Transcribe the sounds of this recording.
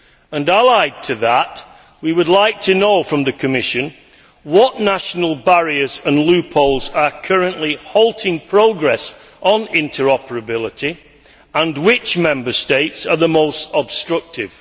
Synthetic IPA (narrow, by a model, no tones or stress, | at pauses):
ə̃nəlaɪd̚tʰɨðəʔ | wiwədˡlaɪk̚tʰɨnoʊfɹə̃mðɨkʰɨmɪʃɨ̃n | wɒʔnaʃənəlˠbaɹiəzə̃nlʉpʰoʊlˠzəkʰʌɹə̃nʔlihɔʊlˠtʰɪ̃ŋpʰɹ̥oʊɡɹɛs | ʔn̩ɪ̃ntʰə˞ɔpəɹəbɪlˠɪtʰi | ə̃nwɪt͡ʃmɛ̃mbə˞steɪtsəðəmoʊstəb̥stɹ̥ʌk̚tʰɪv̥